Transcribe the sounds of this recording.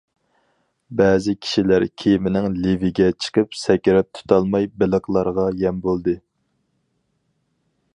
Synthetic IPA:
bɛːzɪkʲʰi̥ʃilæɾkʲʰejimɪnɪŋlivɪɡʲɛt͡ʃʰə̥qɨpsɛkʲiɾɛp̚t̪ʰu̥t̪ʰɑlˠmɑjbɪləqlˠɑɾʁɑjɛmbolˠd̪ɨ

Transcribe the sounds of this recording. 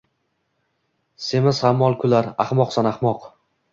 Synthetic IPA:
semɪshamːɒlˠkʰʊlaɾaχmɒqsanaχmɒq

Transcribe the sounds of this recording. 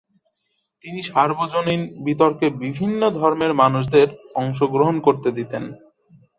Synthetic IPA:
t̪iniʃaɾbod͡ʑoninbit̪̬oɾkebibʱinːod̪ʱɔɾmeɾmanuʃ̬d̪eɾɔŋʃ̬oɡɾoɦonkoɾt̪ed̪it̪en

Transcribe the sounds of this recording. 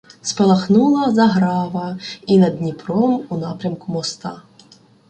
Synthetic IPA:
spɐlˠɐxnulˠɐzɐɦɾɑʋɐinɐd̪nʲipɾɔmunɑpɾʲɐmkʊmɔst̪ɑ

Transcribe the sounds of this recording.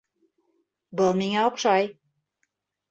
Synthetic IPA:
bɤlˠmiŋæoqʃɑj

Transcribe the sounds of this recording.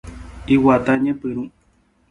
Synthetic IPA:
iwat̪aɲẽpɨɾũ

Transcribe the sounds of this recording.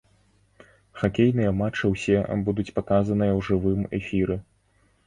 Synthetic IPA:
xakʲejnɨjɐmat͡ʂɨwsʲɛbud̪ut͡sʲpakazɐn̪ɨjɐwʐɨvɨmɛ̰fʲiɾɨ

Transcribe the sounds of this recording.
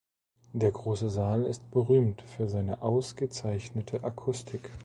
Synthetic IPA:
d̥eːɐɡʁoːsəzaːlɪst̚b̥əʁyːmtfyːɐzaɪnəʔaʊsɡ̥ət͡saɪçnətʰəʔakʰʊstʰɪk

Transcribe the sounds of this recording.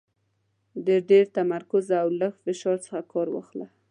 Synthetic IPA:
d̪əɖeɾt̪amaɾkʊzawləxfɪʃɑɾt͡sə̥xakɑɾwɑ̰xla

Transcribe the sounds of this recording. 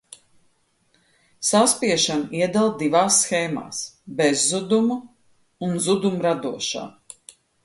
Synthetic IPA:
saspiɛʃaniɛd̪alˠd̪ivaːsːxɛːma̰ːsbɛzːud̪umuː | nzud̪umɾad̪uɔʃa̰ː

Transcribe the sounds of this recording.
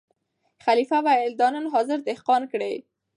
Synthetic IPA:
xalifawaɪld̪ɑnanɦɑzɪɾd̪ɪhqɑnkɽḛj

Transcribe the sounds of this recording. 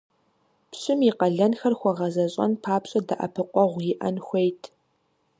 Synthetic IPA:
pɕʼɪmiqɐɮɐnxɐrxʷɔʁɐzɐɕʼɐ̰npʰaːpɕʼɐdɐʔɐ̰pʰɨqʷɔʁʷjɪʔɐnxʷejtʰ

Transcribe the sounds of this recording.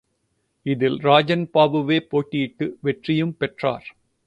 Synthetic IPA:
ɪðɪlɾaːd͡ʒɐnpaːʋɯʋeːpoːʈːijɪʈːɯʋɛʈrɪjɯmpɛʈra̰ːɾ

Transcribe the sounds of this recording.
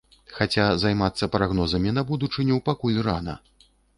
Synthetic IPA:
xat͡sʲazajmat̪sːɐpɾaɣnɔzɐmʲinɐbud̪ut͡ʂɨnʲɛwpakulʲranɐ̰

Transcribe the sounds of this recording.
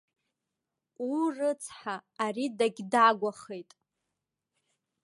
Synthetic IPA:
urɨt͡sʰħaːridaɡʲdaɡʷaχejtʼ

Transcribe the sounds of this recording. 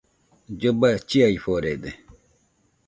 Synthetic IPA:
d͡ʒobat͡ʃiaiɸoɾed̪e

